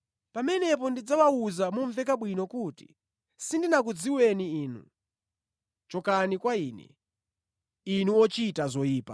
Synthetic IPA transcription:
pamɛnɛp̬ɔndid͡zawauzamuɱvɛkaɓwinɔkuti̥̰ | sindinakud͡ziwɛniiːnṵ | t͡ʃɔkanikwaiːnɛ̰ | inuɔt͡ʃitazɔiːpa̰

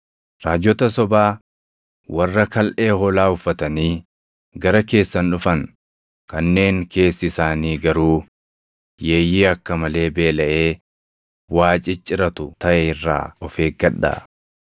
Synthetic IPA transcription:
ɾaːd͡ʒːɔt̪ɐsɔbaː | wɐrːɐkɐlʔeːɦɔlaːʊfːɐt̪ɐniː | ɡɐɾɐke̞ːsːɐnᶑʊfɐŋ | kɐnːe̞ːŋke̞ːsːɪsaːniːɡɐɾuː | je̞ːjiːɐkːɐmɐle̞ːbe̞ːlɐʔe̞ː | waːt͡ʃʼɪt͡ʃʼːɪɾɐt̪ʊt̪ɐʔɛɪrːa̰ːɔfeːɡɐᶑːɐ̰

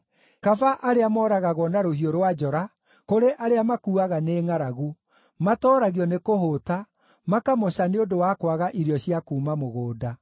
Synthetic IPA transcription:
kafaʔaɾeamɔːɾaɣaɣwɔnaɾohioɾwad͡ʒɔɾa | koɾeʔaɾeamakuːaɣaneːŋaɾaɣu | matɔːɾaɣiɔnekoɦota | makamoɕaneondowaːkwaɣaʔiɾjɔɕijakuːmamoɣoːda

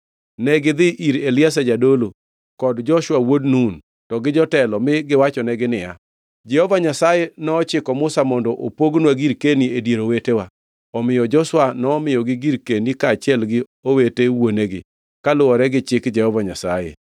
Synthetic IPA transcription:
nɛɡɪd̪ɪʔiɾelɪas̬ad͡ʒadolo | kɔdd͡ʒɔʃwawodnun | tɔɡɪd͡ʒɔtɛlɔmɪɡɪwat͡ʃɔnɛɡɪnɪja̰ | d͡ʒɛhɔvaɲasajenɔːt͡ʃɪkɔmʊsamɔndɔʔopoɡnwaɡiɾkeniedeɾowetewa | ɔmɪjɔd͡ʒɔʃwanɔːmɪjɔɡɪɡiɾkenikaːt͡ʃɛlɡɪ | owetewoneɡɪ̰ | kalʊwɔɾɛɡɪt͡ʃɪkd͡ʒɛhɔvaɲasajḛ

